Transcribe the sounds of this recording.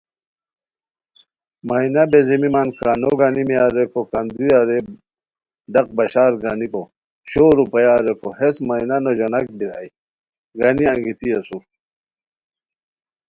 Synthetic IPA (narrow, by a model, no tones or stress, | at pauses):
mainabezimimankaːnoɡanimiaɾekokand̪ujaɾe | ɖɐq̚bɐɕaːɾɡaniko | t͡ɕʰoɾupɐjaːɾekohesmainanoʑonak̚biɾa̰j | ɡaniɐŋɡit̪iɐsu